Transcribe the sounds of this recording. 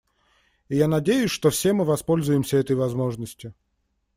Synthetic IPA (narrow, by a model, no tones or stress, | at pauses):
ɪjanɐdʲejʊsʲʂt̪ofsʲe̞mɨvɐspo̞lʲzʊjɪmsʲəɛt̪əjvɐzmo̞ʐnəsʲtʲʊ